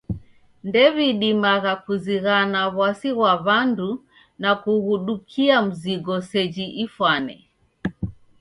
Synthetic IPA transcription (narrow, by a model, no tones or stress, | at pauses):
ndɛβiɗimaɣakuziɣanaβwasiɣwaβandu | nakuɣuɗukʰiam̩ziɡɔsɛd͡ʒiʔifwanɛ̰